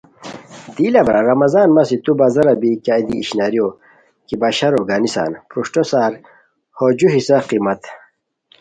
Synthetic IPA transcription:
d̪iːlɐbɾaɾɐmɐzaːnmɐsit̪ubazɐɾɐbikaːid̪iːɕnaːɾijo | kibɐɕɐɾoɡaːnisa̰ːnpɾuʂʈosaːɾ | hod͡ʑuɦisɐqimɐt̪

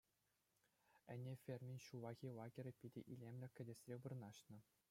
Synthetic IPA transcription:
ɘ̆nʲefʲerʲmʲiɕuʋɑɣʲilˠɑɡʲĕrʲɘ̆pʲidʲḛʔilʲemʲlʲɘ̆kʲɘ̆dʲĕsʲrʲeʋɯrnɑɕnɤ̆

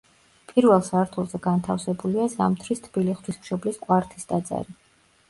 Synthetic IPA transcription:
pʼiɾvɛlˠsaɾt̪ʰulˠzɛɡant̪ʰafsɛbuliazamt̪ʰɾist̪ʰb̥iliχt̪wismʃɔblisqʼwaɾt̪ʰisd̪ad̪za̰ɾi

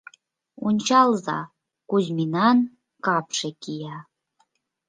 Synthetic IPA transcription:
unʲt͡ɕɑlˠzɑ̰ | kuzminɑn | kɑpʃekijɑ

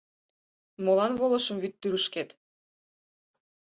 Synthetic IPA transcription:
molɑnβolə̆ʃə̆mβyt̪ːyɾəʃket̪

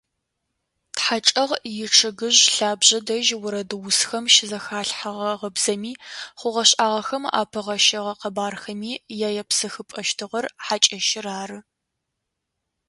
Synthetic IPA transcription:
tħat͡ʃʼɐʁjɪʈ͡ʂʰɨɡɨʑɬaːbʑɐdɐʒwʊɾɐdɨwʊsxɐmʃɪzɐxaːɬħaʁɐʁɐbz̥ɐmiːχʷʊʁɐɕʼʔaːʁɐxɐma̰ːpʰɐʁɐʃɐʁɐqɐbaːrxɐmiːjaːjɐpsɨxɨpʼɐʃtʰɨʁɐrħat͡ʃʼɐʃɪraːrɨ

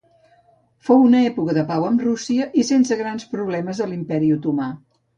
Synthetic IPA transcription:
fowunəɛpukəðəpawəmrusiəʔisensəɣɾanspɾuβlɛməzðəlimpɛɾiut̪uma

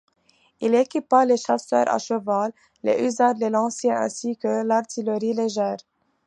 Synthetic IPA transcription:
ilekʲipaleʃasœ̰ːɾa̰ʃəvalː | ḛʔyzaɾlelɑ̃sɛ̃ɛ̰̃sikəlaʁt̪ʰiləʁileʒɛːʁ

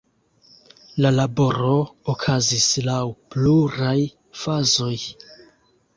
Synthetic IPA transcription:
lalabo̞ɾo̞okʰazislawpluɾaj | fazo̞j

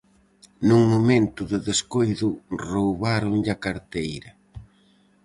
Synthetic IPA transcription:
nuŋmomẽnt̪ʊðɪðeskojðʊrowβaɾʊŋʎakaɾt̪ejɾɐ

